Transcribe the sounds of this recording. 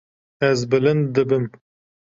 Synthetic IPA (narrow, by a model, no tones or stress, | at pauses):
ɛzbɨlɨnd̪d̪ɨbɨm